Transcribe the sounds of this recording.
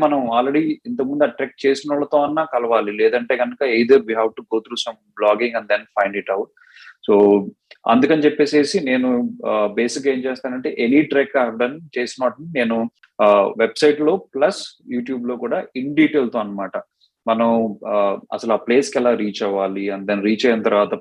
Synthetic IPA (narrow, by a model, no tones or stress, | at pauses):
mɐnɐmaːlɾeɽiint̪ɐkmund̪uɐʈɾek̚t͡ʃe̞ːsinɐɭːɐt̪o̞ːɐnːaːkɐlɐʋaːlilɛːd̪ɐɳʈe̞ːkɐnɐkɐejd̪ɐɾbiɦaːʋʈuɡo̞ːt̪ɾuːsɐmblaːɡiŋɡɐnd̪enpʰɐjɳɖiʈɐwʈ̚ | soː | ɐ̰nd̪ukɐnit͡ʃeɛpːeːse̞ːsine̞ːnube̞ːsikːe̞ːmt͡ʃeːst̪aːnɐɳʈe̞ːʔeniʈɾekːaɦɛʋɖɐnt͡ʃeːsinɐːʈɐnine̞ːnu | ʋebsɐjʈlo̞ːplɐsjuːʈjuːblo̞ːkuːɽaːiɳɖiːʈeːlt̪oːɐnːɐmaːʈɐ | mɐnɐm | ɐ̰sɐluaːple̞ːskɛlaːɾiːt͡ʃɐʋaːliɐnd̪enɾiːt͡ʃɐːjanɐt̪ɐɾʋaːt̪ɐ